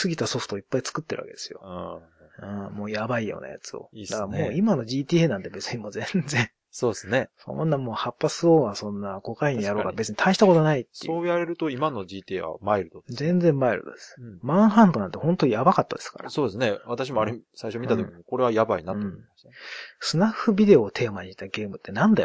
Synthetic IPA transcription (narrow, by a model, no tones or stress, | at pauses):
sɨɡʲit̪aso̞ɸɯ̟̥t̪o̞ipːait͡sɨ̥kɯt̪ːe̞ɾɯ̟βakḛd̪e̞sɨjõ̞̰ | ɯ̃mo̞ːjabaijo̰ːna̰ja̰t͡sɨo̰id̪akamo̞ːimano̞ʑiːt̪ʲiːenãnt̪e̞be̞t͡sɨɲ̟imo̞ːzẽ̞nd͡zẽ̞ɰ | so̞ːd̪esɨneso̞̰nːamo̞ːhapːasɨoːɡasõ̞nːako̞kaiɲĩjaɾo̞ːkabe̞t͡sɨɲit̪ʰaiɕi̥t̪akot̪oanait̪ːeoːjaɾe̞ɾɯ̟t̪o̞imano̞ʑiːt̪iḛβa̰maiɾɯ̟t̪od̪zẽ̞nd͡zẽ̞mːaiɾɯ̟̰t̪o̰d̪esmãɰ̃ɦãnt̪onãnt̪ehõ̞nt̪oɲijabakat̪ːad̪e̞sɨ̥ka̰ɾa̰soːd̪esɨneβat̪aɕ̬imoaɾesaiʃo̞mʲit̪atokimiko̞ɾe̞βajabainat̪õmassɨnaɸːɯ̟bʲid̪e̞oːt̪ʰe̞ːmaɲ̟iit̪ːaɡe̞ːmɯ̟t̪ʰːe̞nãnd̪ajo̰